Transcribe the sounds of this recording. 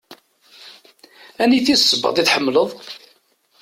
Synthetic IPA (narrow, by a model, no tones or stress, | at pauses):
æniθisˤːəbːɑ̰d̪ˤiθħəmːləðˤ